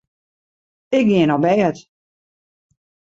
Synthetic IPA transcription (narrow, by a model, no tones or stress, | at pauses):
ɪk̚ɡɪənɔbɛːət